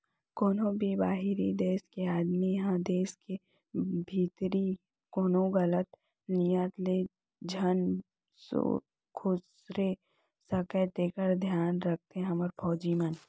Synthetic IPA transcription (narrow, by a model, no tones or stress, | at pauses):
koːnõbʱibaːɦiɾid̪eːskeaːd̪mijɐɦãd̪eːske | bʱiːt̪ɾi | koːnõɣɐlət̪ | nijət̪le | d͡ʒʱɐn | so̰ | kʰʊsɾe | sɐkəʈ̪eːkəɾd̪ʱjaːnɾɐk̚t̪eɦɐməɾpʰɔːd͡ʒimən